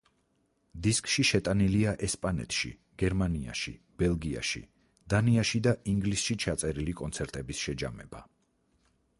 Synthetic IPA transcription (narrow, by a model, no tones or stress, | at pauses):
d̪iskʼʃiʃɛt̪ʼaniliaʔɛspʼanɛ̰t̪ʰʃḭ | ɡ̥ɛɾmania̰ʃḭ | b̥ɛlˠɡia̰ʃḭ | d̪̥aniaʃid̪aʔiŋɡlisʃit͡ʃʰat̪sʼɛɾilikʼɔnt̪sʰɛɾt̪ʼɛbisʃɛd͡ʒamɛba